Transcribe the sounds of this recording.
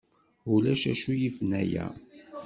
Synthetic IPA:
ulæʃæʃujifnæjæ̰

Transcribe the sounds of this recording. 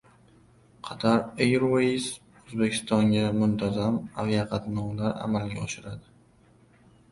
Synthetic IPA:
qʰɑt̪ʰaɾejɾwes | ɵzbekʲʰɪst̪ɒŋɡʲamʊnt̪ʰazamavijaqʰɑt̪ʰnɒwlaɾa̰malɡʲaɒʃɪɾad̪ɪ

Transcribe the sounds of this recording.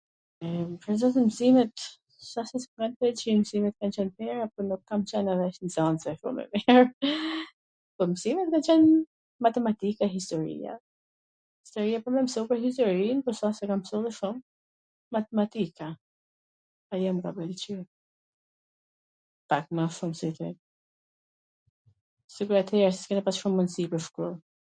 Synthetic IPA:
ɛpɾɛzat̪ɛmsimɛt̪ | sasɛsɛɡanpɛlt͡ʃimsimɛt̪̚kant͡ɕɛnpɛɾapɔnukːamt͡ɕɛnaðɛʃnzansɛʃṵmɛ̰miɹ | pɔmsimɛt̪̚kant͡ʃɛn | mat̪ɛmat̪ikaɦist̪ɔɾḭa̰ | hist̪ɔɾiapɔmɛmsɔpəɾɦis̬t̪ɔɾinpɔsasɛkamsɔliʃumː | at̪ɛmat̪ikʰa | ajɛmkabɛlt͡ʃi | pak̚maʃumsit̪i | siɡuɾat̪ʰɛɾasɛ̥skɛnɛpasʃumːunsipəɾfkuɾ

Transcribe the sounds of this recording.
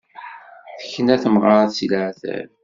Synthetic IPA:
θə̥çːənæθəmʁɑɾɑsiləʕθæ̰l

